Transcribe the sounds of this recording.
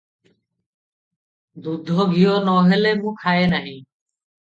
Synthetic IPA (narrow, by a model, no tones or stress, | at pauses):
d̪ud̪ʱɔɡʱijonɔːɦelemũːkʰaːenaɦĩː